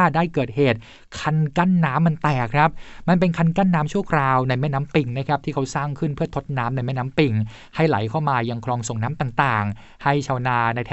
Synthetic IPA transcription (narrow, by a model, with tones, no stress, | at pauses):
daː˥˩jkɤː˨˩t̪̚heː˨˩t̪̚ | kʰa˧nka˥˩nːaː˦˥mːa˧nt̪ɛː˨˩kʰːɾa˦˥p̚ma˧np̬e˧nkʰa˧nka˥˩nːaː˦˥mt͡ɕʰu˥˩ɐkʰɾaː˧wna˧jmɛː˥˩naː˦˥mpi˧ŋna˦˥kʰɾa˦˥p̚t̪iː˥˩kʰa˦˥wsaː˥˩ŋkʰɯ˥˩npʰɯ˥˩ɐt̪ʰo˦˥t̪̚naː˦˥mna˧jmɛː˥˩naː˦˥mpi˧ŋ | ha˥˩jla̰˩˦jkʰa˥˩wmaː˧ja˧ŋkʰlɔː˧ŋso˨˩ŋnaː˦˥mt̪aː˨˩ŋt̪aː˨˩ŋ | ha˥˩jt͡ɕʰaː˧wnaː˧na˧jt̪ʰː